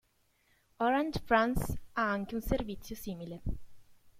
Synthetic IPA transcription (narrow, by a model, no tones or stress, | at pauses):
ɔɾandfɾansaaŋkeunservit̪sːjosiːmile